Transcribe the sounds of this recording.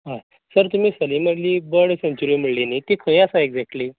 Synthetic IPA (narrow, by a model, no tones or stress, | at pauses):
ɦã | səɾt̪um̤iːsəliməɽliːbəɽsẽnt͡ɕuɾim̤əɽlinit̪ikʰə̃j̃asaeɡd͡zɛk̚ʈli